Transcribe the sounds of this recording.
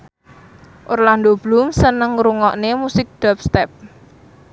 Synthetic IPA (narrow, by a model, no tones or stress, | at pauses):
ʔorland̪ob̥lumsənəŋɾuŋɔʔnemusɪk̚ɖ̪̥ap̚st̪ɛp̚